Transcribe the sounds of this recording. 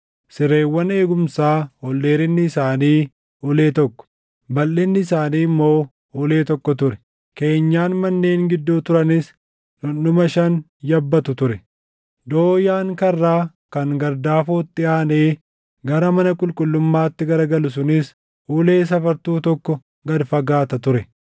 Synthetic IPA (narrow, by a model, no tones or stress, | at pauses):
sɪɾe̞ːwːɐne̞ːɡʊmsaːhɔlːe̞ːɾɪnːɪːsaːniː | ʊle̞ːt̪ɔkːɔ̥ | bɐlːɪnːɪɪsaːniːmːo̞ː | ʊle̞ːt̪ɔkːɔt̪ʊɾɛ̥ | ke̞ːɲːaːnmɐnːeːŋɡɪd̪ːuːt̪ʊɾɐnɪs | ʊnːʊmɐʃɐn | jɐbːɐt̪ʊt̪ʊɾɛ | d̪o̞ːjaːŋkɐrːaː | kɐŋɡɐɾd̪aːfoːt̪ːɪaːneː | ɡɐɾɐmɐnɐkʼʊlkʼʊlːʊmːaːt̪ːɪɡɐɾɡɐlʊs̬ʊnɪs | ʊle̞ːs̬ɐfɐɾt̪uːt̪ɔkːɔ | ɡɐd̪fɐɡaːt̪ɐt̪ʊɾɛ